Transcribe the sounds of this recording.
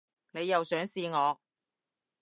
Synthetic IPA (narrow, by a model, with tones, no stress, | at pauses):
ne˨˧jːɐ˨wsœː˨˥ŋsiː˧ŋɔː˨˧